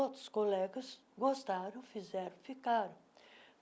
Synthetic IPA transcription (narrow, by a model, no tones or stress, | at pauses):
ot̪ʊ̥skolɛɡɐs | ɡost̪aɾɐ̃w̃fizɛɾɐ̃fikaɾɐ̃